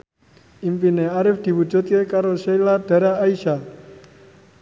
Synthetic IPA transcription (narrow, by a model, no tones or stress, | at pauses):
impineaɾɪfd̪̥i̤wud̥d͡ʒ̥ṳt̪̚kekaɾoʃeilad̥a̤ɾaːisa